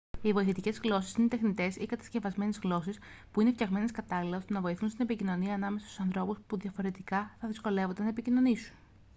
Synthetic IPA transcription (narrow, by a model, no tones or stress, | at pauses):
ivo̞iθit̪ice̞zɣlo̞sesinet̪e̞xnit̪e̞sikɐt̪ɐ̥sce̞vɐzme̞nezɣlo̞sespuine̞ft̪çɐɣme̞nekɐt̪ɐlilost̪nɐvo̞iθunst̪ine̞picino̞niɐːnɐme̞sɐst̪usɐnθɾo̞puspuðɐfo̞ɾet̪ikɐθɐðisko̞le̞vo̞nd̪enɐepicino̞nisu̥n